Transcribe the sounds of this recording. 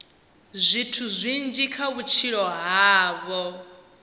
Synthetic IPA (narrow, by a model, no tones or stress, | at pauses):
zʷitʰuzʷind͡ʒikʰaβut͡ʃʰiɺɔɦaːβɔ